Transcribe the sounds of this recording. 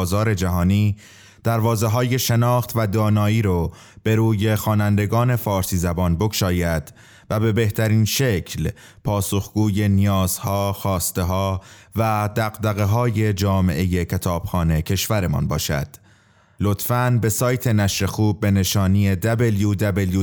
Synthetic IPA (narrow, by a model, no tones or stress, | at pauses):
zɒːɾe̞d͡ʒæɦɒːniː | d̪̥æɾvɒːze̞ɦɒːje̞ʃe̞nɒːxt̪væd̪ɒːnɒːiːɾɔ | b̥e̞ɾuːje̞xɒːnænd̪e̞ɡɒːne̞fɒːɾsiːzæbɒːnbokʃɒːjæd̪̥ | væbe̞be̞ht̪ʰæɾiːnʃe̞cʰl | pʰɒːsoxɡ̥uːje̞nijɒːz̥hɒːxɒːst̪e̞ɦɒːvæd̪æɣd̪æɣe̞ɦɒːje̞d͡ʒɒːme̞̰ʔe̞jecʰe̞t̪ʰɒːb̥xɒːne̞cʰe̞ʃvæɾe̞mɒ̰nbɒ̰ːʃæ̰d̪̥ | lo̞t̪fænbe̞sɒːjt̪ʰe̞næʃɾe̞xuːbːe̞ne̞ʃɒːnije̞d̪æbeljud̪æbelju